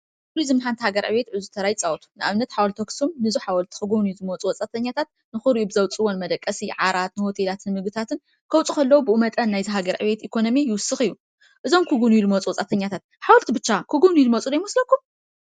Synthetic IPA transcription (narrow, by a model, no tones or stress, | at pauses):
kuɾizɨmħant̪ʰhaɡɐɾʕɨ̰βe̞t̪ʕɨzut̪ʰɐɾajt͡sʼawt̪ʰu̥nɨʔa̰βnɐt̪ħawɐlt̪ʰoksumnɨzuħawɐlt̪ʰi̥kɨɡuβnujuzɨmot͡sʼuwɔt͡sʼat̪ʰɐɲːat̪ʰat̪̚ | nɨxuɾuʔubɨzɐwt͡sʼɨwonmɐd̪ɐkʼːɐsiʕaɾat̪nɨho̞t̪ʰelat̪ʰɨnmɨɡɨt̪ʰat̪ʰɨn | kʰɐwt͡sʼukʰɐlːɐwubɨumɐt̪ʼɐnnajzɨɦaɡɐɾʕɨ̰βe̞t̪ʔikʰo̞no̞mijɪwʊsːɨxɨjːu | ʔɨzo̞mkʰuɡunujulɨmot͡sʼuwɔt͡sʼat̪ʰɐɲːat̪ʰat̪̚ħawɔlt̪ibɨt͡ʃːakʰuɡunujulɨmɐt͡sʼud̪ɐjmɐslɐkːum